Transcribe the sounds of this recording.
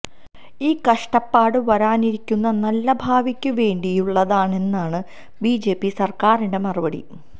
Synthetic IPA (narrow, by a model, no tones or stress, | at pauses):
iːkɐʂʈɐpːaːɽɨʋɐɾaːniɾikʲːunːɐnɐlːɐbʱaːʋikʲːɨʋe̞ːɳɖijuɭːɐðaːɳe̞nːaːɳɨ | biːd͡ʑe̞ːpːisɐrkaːriɳɖe̞mɐrɨbɐɽḭ